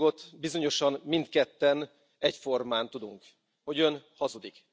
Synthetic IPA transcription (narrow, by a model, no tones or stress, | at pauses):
ɡo̞t̪bizo̞ɲo̞ʃɒnmint̪kɛt̪ːɛn | ɛcfo̞rmaːnt̪ud̪uŋk | ho̞ɟø̞nhɒzud̪ik